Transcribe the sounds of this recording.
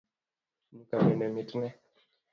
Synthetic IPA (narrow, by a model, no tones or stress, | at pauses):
nukaminɛmitnɛ